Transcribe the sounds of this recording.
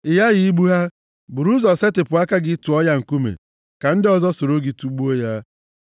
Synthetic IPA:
ɪ˨ja˦ɣɪ˦i˦ɡ͡bu˦ɦa˦ | bu˨ɾu˦zɔ˨se˦tɪ˨pʊ˨a˦ka˦ɡɪ˦tu˨ɔ˦ja˦ŋ̩˨ku˦mḛ˨ | ka˨n̩˦dɔ˨zɔ˦so˨ɾo˦ɡi˨tu˦ɡ͡bu˦o˦ja˦

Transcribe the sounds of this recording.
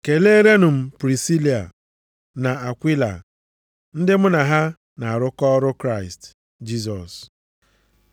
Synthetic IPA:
ke˨le˦e˦ɾe˦nʊ˨m̩˨pɾi˨si˦li˨a̰˨ | na˨a˨kʷi˦la̰˨ | n̩˦dɪ˦mʊ˦na˨ɦa˦ | na˨a˨ɾʊ˦kɔ˦ɾʊ˦kɾa˦˨ɪ˨st | d͡ʒi˦s̬ɔ˨s

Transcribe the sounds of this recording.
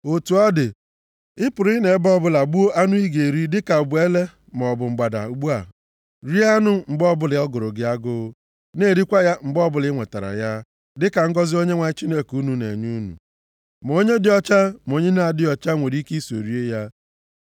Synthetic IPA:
o˨tu˨ɔ˦dɪ˨ | ɪ˦pʊ˨ɾɪ˦ne˨˦bɔ˦bʊ˦la˨ɡ͡bu˦o˦ʔa˦nʊ˦i˦ɡe˨ɾi˦dɪ˦ka˨ʊ˨bu˨˦e˦le˦ | m˨ɔ˨bʊ˨ŋ͡m̩˨ɡ͡ba˨da̰˨u˨ɡ͡bu˦a˨ | ɾi˦a˦nʊ˦ŋ͡m̩˨ɡ͡bɔ˦bʊ˦lɪ˨ɔ˦ɡʊ˨ɾʊ˨ɡɪ˦a˦ɡʊ˦ | ne˦˨ɾi˦kʷa˦ja˦ŋ͡m̩˨ɡ͡bɔ˦bʊ˦lɪ˦ŋʷe˨ta˨ɾa̰˨ja˦ | dɪ˦ka˨ŋ̩˦ɡɔ˦zɪ˦o˦ɲe˦ŋʷa˨ɲɪ˦t͡ʃi˦ne˦ku˦nu˨nḛ˨ɲu˦nṵ˨ | m˨o˦ɲe˦dɪ˦ɔ˦t͡ʃa˦m˨o˦ɲe˦na˨dɪ˦ɔ˨t͡ʃa˦ŋʷe˨ɾi˦ki˦i˦so̰˨ɾi˦e˦ja˦

